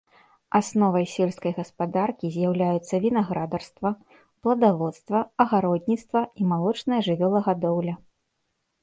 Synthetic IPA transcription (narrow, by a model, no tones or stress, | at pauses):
asnɔvɐjsʲɛlʲskɐjɣɐspad̪arkʲizʲjawlʲajut̪sːɐvʲinaɣɾad̪ɐrst̪vɐ | plˠɐd̪avɔt̪st̪vɐɐɣaɾɔd̪ʲnʲitst̪vɐimalˠɔt͡ʂnɐjɐʐɨvʲɔlˠɐɣad̪ɔwlʲɐ